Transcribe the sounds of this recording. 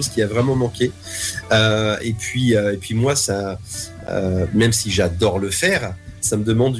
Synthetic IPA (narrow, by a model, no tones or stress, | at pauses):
oz̥kʲiavʁɛmɑ̃mɑ̃kʲe | øepɥiøepɥimwasa | ø̰mɛmsiʒad̪ɔʁləfɛːʁsaməd̪əmɑ̃d̪